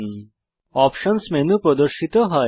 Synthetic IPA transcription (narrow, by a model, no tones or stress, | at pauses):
ɔːpʃənsmenũpɾɔd̪əɾʃit̪oɦɐ